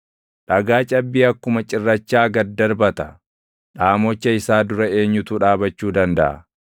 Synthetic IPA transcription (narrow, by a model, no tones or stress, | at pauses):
ᶑɐɡaːt͡ʃʼɐbːiːɐkːʊmɐt͡ʃʼɪrːɐt͡ʃːaːɡɐd̪ɐɾbɐt̪ɐ | ᶑaːmɔt͡ʃːɐɪsaːd̪ʊɾɐe̞ːɲːʊt̪uːᶑaːbɐt͡ʃːuːd̪ɐnd̪ɐʔɐ̰